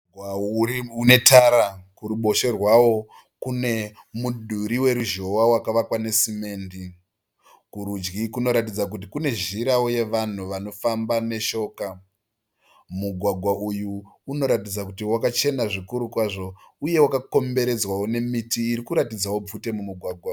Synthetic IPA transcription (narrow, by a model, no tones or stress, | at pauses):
waune̞tʰaɾakuɾuɓo̞ʃe̞rwawo̞ | kune̞muɗʱuɾiwe̞ɾuʒo̞wawakaʋakwane̞sime̞ːndi | kuɾud͡ʒɡikuno̞ɾatid͡zak̬utikune̞ʒiɾawoje̞ʋan̤uʋano̞fambane̞ʃo̞ːka | muɡʱwaɡʱwaʔujuːno̞ɾatid͡zakutiwakat͡ʃe̞naʐikuɾukwaʐo̞ | uje̞wakako̞mbe̞ɾe̞d͡zwawone̞mitiːɾikuɾatid͡zawo̞b͡vute̞mumuɡʱwaɡʱwa